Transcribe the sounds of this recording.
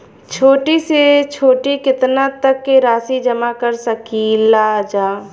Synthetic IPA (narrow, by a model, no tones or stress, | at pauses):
t͡ʃʰoːʈiset͡ʃʰoːʈikɪt̪nat̪əkːeɾaːsid͡ʒəmakəɾsəkilaːd͡ʒaː